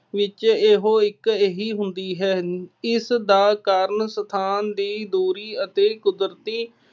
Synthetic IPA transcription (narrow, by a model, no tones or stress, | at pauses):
ʋɪt͡ʃeːɦoːɪkeːɦiːɦʊnd̪iːɦɛːɪsd̪aːkaɾnsət̪ʰaːnd̪iːd̪uːɾiːət̪eːkʊd̪ɾt̪iː